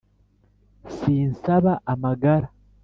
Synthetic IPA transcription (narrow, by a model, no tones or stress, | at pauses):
siːnsaβaʔamaɡaɾa